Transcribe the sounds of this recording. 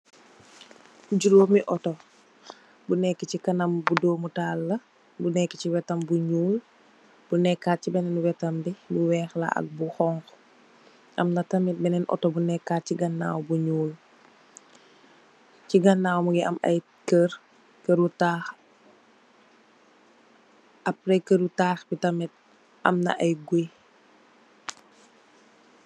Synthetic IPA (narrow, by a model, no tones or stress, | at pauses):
kuɟulomiʔɔtɔ | bunɛkːicikɐnɐmbudoːmutaːlːɐ | bunɛkːiciwɛtɐmbuɲuːl | b̥unɛkːaːt̚cibɛnɛnuwɛtɐmbibuwɛːxla̰ʔɐ̰k̚buxɔŋx | ʔɐmnɐtɐmit̚bɛnɛnʔɔ̰tɔbunɛkːat̚ciɡɐnːa̰ːwbuɲuːl | ciɡɐnːaːwmuɡiʔɐ̰mɐ̰j | kər | kəɾutaːx | ʔɐpɾɛkəɾutaːxbitɐmit̚ | ʔɐ̰mnɐ̰ʔɐjɡuj